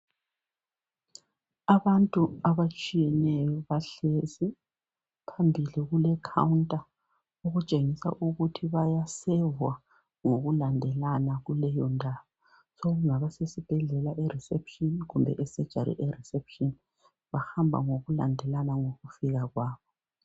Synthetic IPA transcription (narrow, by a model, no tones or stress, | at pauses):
aβantʼuaβat͡ʃʼijɛnɛjɔβaɬezi | pʰambʱiliɣulɛkʰa̰wuntʼa | uɣut͡ʃʼeŋisa̰ʔuɣutʰiβajasɛvwa | ŋoɣulandʱɛlanaɣulɛjɔndʱaːβɔ | soɣuŋaβasesib̥ʱɛɮɛlaʔɛrɛsɛpʰʃɔnɣumbʱɛ̰ʔɛsɛd̥ʒ̥ʱaɾḭʔɛrɛsɛpʃɔn | βahambʱa̰ŋoɣulandʱɛlanaŋoɣufiɣaɣwaːβɔ